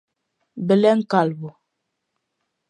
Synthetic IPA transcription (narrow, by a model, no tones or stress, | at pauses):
bəlɛŋ̩kalbu